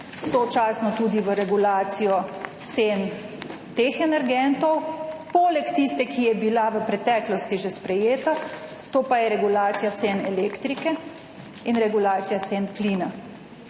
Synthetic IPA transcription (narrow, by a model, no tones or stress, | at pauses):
sɔt͡ʃaːsnɔt̪ud̪iʋəɾɛɡulaːt̪sijɔt̪sen | t̪eːxɛnɛɾɡɛnt̪ɔwpɔːlɛkt̪ist̪ɛkijɛbilaʋəpɾɛt̪ɛːklɔst̪iʒespɾɛjeːt̪a | t̪oːpajɛɾɛɡulaːt̪sijat̪senɛleːkt̪ɾikɛ | inɾɛɡulaːt̪sijat̪senpliːna